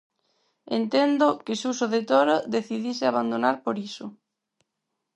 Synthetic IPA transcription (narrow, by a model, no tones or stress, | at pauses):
ḛnt̪end̪okɪʃusoðet̪oɾaðeθiðisɪaβand̪onaɾpoɾiso